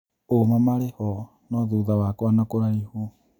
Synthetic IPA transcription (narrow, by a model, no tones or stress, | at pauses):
omamaɾehɔ | nɔðuðawakwanakoɾaihu